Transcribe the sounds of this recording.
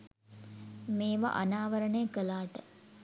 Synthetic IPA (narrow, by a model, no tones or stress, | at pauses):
meːʋa̰ʔanaːʋəɾəɳəjəkəlaːʈə